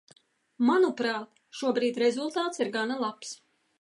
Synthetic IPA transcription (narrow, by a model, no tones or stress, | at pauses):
manupɾaːt̪ | ʃuɔbɾiːt̪ʲɾɛzulˠt̪aːt̪siɾɡanalˠaps